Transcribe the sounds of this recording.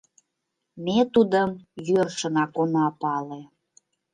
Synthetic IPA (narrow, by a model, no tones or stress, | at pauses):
met̪ud̪əmjørʃənɑkonɑpɑle